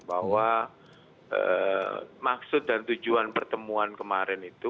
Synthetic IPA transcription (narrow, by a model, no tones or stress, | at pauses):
baɦwa | ə̰ | maksʊt̪̚dant̪ud͡ʒuanpərt̪əmuankəmaɾɛnit̪u